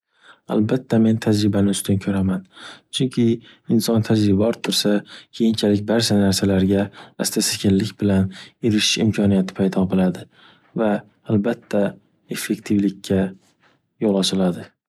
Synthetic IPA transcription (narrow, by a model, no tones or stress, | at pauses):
a̰lbat̪ʰːame̞nt̪ʰad͡ʒɾɪbanɪʊst̪ʰʊnkʲʰɵɾamant͡ʃʰʊŋkʲʰɪ | ɪnsɒnt̪ʰad͡ʒɾɪbaɒɾt̪ʰːʊɾsakʲʰe̞jɪnt͡ʃʰalɪk̚ʲbaɾsanaɾsalaɾɡʲaast̪ʰasɪ̥kʲʰɪlːɪkʲbɪlaneɾɪʃɪʃɪmkʲʰɒnijat̪ʰɪ̥pʰajd̪ɒbɪlad̪ɪ | vaː | lbat̪ʰːa | efːe̞k̚ʲt̪ʰɪvlɪkʲʰːa | jolˠɒt͡ʃʰɪlad̪ɪ